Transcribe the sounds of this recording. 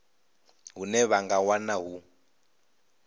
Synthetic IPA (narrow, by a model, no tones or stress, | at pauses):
ɦunɛβaŋɡawanaɦu